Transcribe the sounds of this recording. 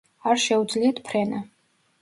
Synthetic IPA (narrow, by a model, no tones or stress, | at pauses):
aɾʃɛud̪zliat̪ʰpʰɾɛna